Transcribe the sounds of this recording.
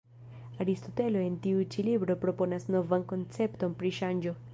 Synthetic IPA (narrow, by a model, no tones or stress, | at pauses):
ɐɾist̪ot̪eloent̪iut͡ʃilibɾopɾoponɐsnovɐŋkont͡sept̪ompɾiʃand͡ʒo